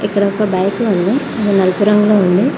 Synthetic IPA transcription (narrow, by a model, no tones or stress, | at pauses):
ʔɛkːɐɽɐkːɐbɐjkɯʋɐnd̪ɯ | ɐðɯnɐlpuɾɐŋɡɐɭoːʋɐnd̪ɯ